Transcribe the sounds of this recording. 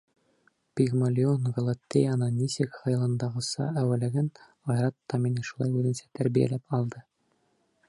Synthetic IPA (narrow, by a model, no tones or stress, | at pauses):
pʲiɣmolʲionɡolˠɑt̪ʲːejɑnɤnʲisɘkχɑjɤ̆lˠɤ̆nd̪ɑʁɤ̆sɑ̰æwælæɡæn | ɑjɾɑt̪ːɑminɘʃulˠɑjʉðɘ̆nsæ̥t̪ʰæɾbijæ̰læpɑlˠd̪ɤ